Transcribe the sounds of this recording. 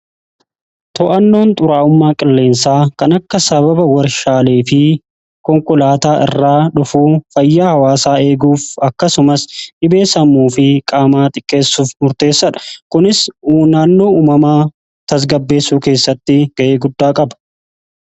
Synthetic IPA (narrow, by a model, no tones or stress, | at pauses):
t̪ɔʔɐnːo̞ːnt̪ʼʊɾaːʊmːaːkʼɪlːe̞ːnsaːkɐnɐkːɐsɐβɐbɐwɐɾʃaːleːfɪ | kɔŋkʼʊlaːt̪aːʔɪ̰rːaːᶑʊfuːfɐjːaːhɐwaːsaːe̞ːɡuːfɐkːɐsʊmɐsᶑɪbe̞ːsɐmuːfɪkʼaːmaːt̪ʼɪkʼːe̞ːsːuːfmʊɾt̪e̞ːsːɐᶑɐ̥kʊnɪsnaːnːo̞ːuːmɐmaː | t̪ɐs̬ɡɐbːe̞ːsːuːke̞ːsːɐt̪ːɪɡ̥ɐʔeːɡʊd̪ːaːkʼɐbɐ̥